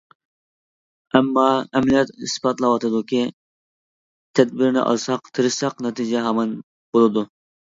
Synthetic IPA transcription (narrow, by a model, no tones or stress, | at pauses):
ɛmːɑɛmlijɛt̪ḭspɑt̪lˠɑwɑt̪ɨd̪ukʲʰi | t̪ʰɛd̪̚bɪɾnɪ̰ʔɑ̰lˠsɑqt̪ʰɨɾɨsɑqnɛt̪ʰid͡ʒɛɦɑmɑn | b̥olˠɨd̪u